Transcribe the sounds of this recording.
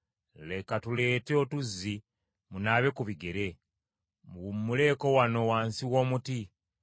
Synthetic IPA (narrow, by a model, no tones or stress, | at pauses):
le̞katule̞ːteotuzːi | munaːβe̞kuβiɡe̞ɾe̞ | muumːule̞ːko̞wano̞waːnsiwoːmuti